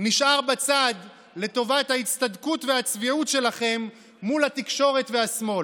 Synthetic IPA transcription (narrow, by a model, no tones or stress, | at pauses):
niʃʔaʁbat͡sad̪ | le̞to̞vat̪hait͡st̪ad̪kutvehat͡sviʕutʃe̞laχe̞mː | ulat̪ikʃo̞ʁe̞t̪vehasmo̞